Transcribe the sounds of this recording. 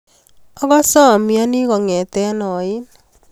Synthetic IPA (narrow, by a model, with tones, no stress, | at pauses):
ɔ˦ɣɔ˦sɔ˦˨mja˦ni˦ɣɔ˨ŋɛ˨tɛ˦nɔ˨i˦n